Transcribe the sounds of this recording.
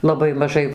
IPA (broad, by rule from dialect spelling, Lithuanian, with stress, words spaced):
lˠɐˈbɐɪ mɐˈʒɐɪ